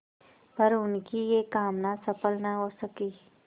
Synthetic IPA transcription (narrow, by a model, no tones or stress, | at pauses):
pɐɾʊnkijekaːmnasɐpəlnaɦoːsɐkiː